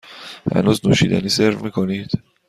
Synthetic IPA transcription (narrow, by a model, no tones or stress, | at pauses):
hæ̰nuːznuːʃḭːd̪æ̰niːseɾvmiːkʰoniːd̪̥